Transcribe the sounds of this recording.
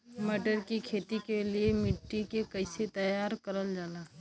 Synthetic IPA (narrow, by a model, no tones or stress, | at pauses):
məʈəɾkikʰeːt̪ikeliemɪʈːikekɐɪset̪ɐjaːɾkɐɾəld͡ʒaːlaː